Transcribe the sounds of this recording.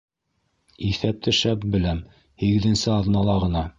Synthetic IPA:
iθæp̚t̪ɘʃæp̚bɘ̆læm | hiɡɘ̆ðɘ̆nsɘɑðnɑlˠɑʁɤ̆nɑ

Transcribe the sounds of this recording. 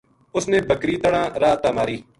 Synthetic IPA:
ʊsnẽːbəkɾiːt̪əɽãːɾaːt̪aːmaːɾiː

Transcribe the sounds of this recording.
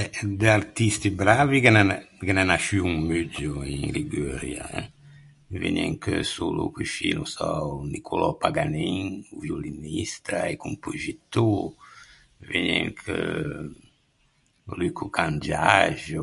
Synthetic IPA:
ɛd̪eaɾt̪ist̪ibɾavikenakenanaʃyuŋmyd͡ʒuĩŋliɡøɾja̰ɛ | vḛɲɛ̰ŋkəsulṵkuʃinusanikʰulɔpaɡaniŋuvjolinist̪aekumpuʒit̪u | viɲɛŋkʰə | lykukãnd͡ʒaʒu

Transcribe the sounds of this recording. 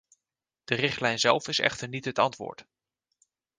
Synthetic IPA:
d̥ərɪχtlɛjnzɛlˠfɪsɛ̰χtəɹnitɦətɑntʋʊ̰ːɹt

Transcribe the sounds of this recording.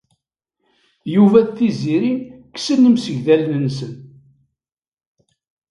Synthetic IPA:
juvæðθiziɾin | ksənːəmsəʝðælnənsən

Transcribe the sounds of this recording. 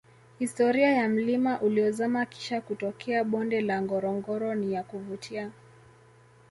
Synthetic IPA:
histɔɾiajam̩limaʔuliɔzamaki̥ʃakutɔkʰɛaɓɔndɛlaŋɡɔɾɔŋɡɔɾɔnijakuvutʰia

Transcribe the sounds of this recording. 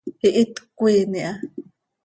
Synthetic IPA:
hiʔit̪kʷeːniʔa

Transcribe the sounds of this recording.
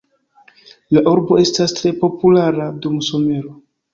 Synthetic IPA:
laʔuɾbo̞e̞stastɾe̞po̞pulaɾadumuso̞me̞ɾo

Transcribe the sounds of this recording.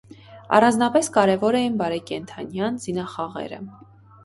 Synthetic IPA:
ɑ̰rɑnd͡znɑpɛskɑɾɛvɔɾɛjinbɑɾɛkɛnt̪ʰɑnjɑnzinɑχɑʁɛ̰ɾə̰

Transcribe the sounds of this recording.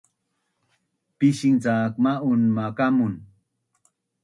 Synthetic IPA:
piʃint͡saːkmaunmakamʊn

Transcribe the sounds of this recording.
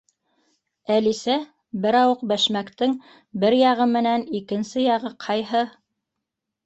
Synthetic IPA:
ælisæ | bɘɾɑwɤq̚bæʃmækt̪ɘŋ | bɘɾjɑʁɤmɘ̆nænikɘ̆nsɘjɑʁɤqʰɑjɦɤ

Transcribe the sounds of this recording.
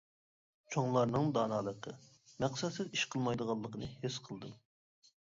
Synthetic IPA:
t͡ʃʰoŋlˠɑɾnɨŋd̪ɑːnɑːlˠəqʰə | mæqsɛt̪sɪziʃqʰəlˠmɑjd̪əʁɑlˠːəqʰənɨhesqʰəlˠd̪ɨm

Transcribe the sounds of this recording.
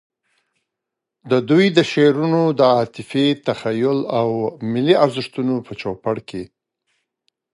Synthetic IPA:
d̪əd̪ujd̪əʃeɾunod̪əɑt̪ɪfet̪axajʊlawmɪliaɾzɪʂt̪unopət͡ʃopaɽkʰe

